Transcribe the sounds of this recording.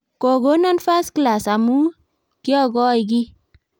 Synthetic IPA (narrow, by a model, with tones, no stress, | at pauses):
ko˨ɡo˦na˦nfa˦skla˨sa˨mu˦ | ki˦ɔ˦˨ɡɔ˦jɡ̬i˦